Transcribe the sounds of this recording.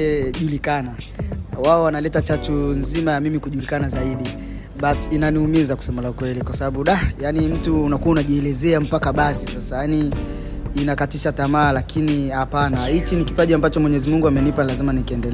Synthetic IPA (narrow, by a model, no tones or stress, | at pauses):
ɛʄulikanawaɔwanalɛtat͡ʃat͡ʃunzimajamimikuʄulikanazaiɗi | ɓatinaniumizaku̥sɛmalaukwɛlikwasaɓaɓuɗajanim̩tuːnakuaunaʄiɛlɛzɛam̩pakaɓasisasajaniː | nakatiʃatamaːlakʰinihapanahit͡ʃinikipaʄiambat͡ʃɔmwɛɲɛzimuŋɡuamɛnipalazimanikiɛndɛlɛ